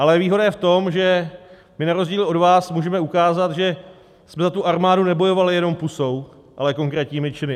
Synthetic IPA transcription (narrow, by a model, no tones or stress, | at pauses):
ʔalɛviːɦo̞dajɛft̪o̞mʒɛ | mɪnaɾo̞zɟiːlʔo̞dvaːsmuːʒɛmɛukaːzat̪ʒɛ | smɛzat̪uʔaɾmaːdunɛbo̞jo̞valɪjɛno̞mpuso̞w | ʔa̰lɛko̞ŋkɾɛːt̪ɲiːmɪt͡ʃɪnɪ